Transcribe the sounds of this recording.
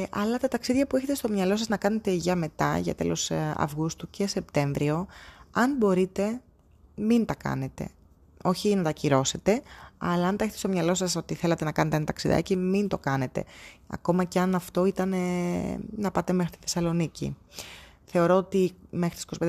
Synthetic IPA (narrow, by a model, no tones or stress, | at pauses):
ʔɐlɐt̪ɐt̪ɐksiðʝɐpue̞çe̞t̪est̪o̞mɲɐlo̞s̬ɐznɐkɐne̞t̪e̞ʝɐme̞t̪ɐ̰ʝɐ̰t̪e̞̰lo̞̰sɐ̰vɣust̪uce̞se̞p̚t̪e̞ɱvɾio̞ɐnbo̞ɾit̪e̞ | mint̪ɐkɐ̰ne̞t̪e̞̰ | o̞çinɐt̪ɐciɾo̞se̞t̪e̞ɐ̰lɐɐnt̪ɐeçe̞t̪est̪omɲɐlo̞sɐso̞t̪iθe̞lɐt̪e̞nɐkɐnet̪eent̪ɐksiðɐ̰cimint̪o̞kɐne̞t̪e̞̰ɐ̰ko̞mɐceɐnɐft̪o̞it̪ɐne | nɐpɐt̪e̞me̞xɾit̪i̥θe̞sɐlo̞nicḭ | θe̞o̞ɾo̞ot̪imexɾit̪isi̥kosped̪